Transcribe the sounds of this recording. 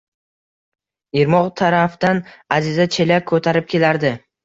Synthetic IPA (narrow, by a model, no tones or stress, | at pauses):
iɾmɒʁt̪ʰaɾafd̪anazɪzat͡ʃʰe̞lakʰːɵt̪ʰaɾɪp̚kʲʰe̞laɾd̪ɪ